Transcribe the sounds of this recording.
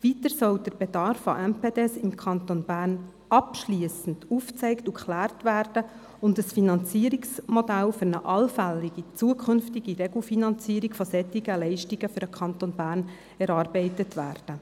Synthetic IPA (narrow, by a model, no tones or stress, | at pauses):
vitəɾsɔld̥əɾb̥ɛdɑɾfa̰ʔɛmpʰeːdɛsɪmkʰɑnt̪onbæːɾn | ɑpʃliəsn̩duft͡sɛɪktukχlæːrtʋæːrd̥ə | ʊndəsfinɑnt͡siːəɾiksmɔdælfʏɾnəʔɑlfɛlːiɡ̥it͡suəkʰʏnftiɡ̥iɾɛɡl̩finɑnt͡siːəɾikfɔsɛtːɪɡəlɛɪʃtiɡəfʏɾəkʰχɑntonbæːɾn | ɛɾɑːrbɛɪtətʋæːrd̥ə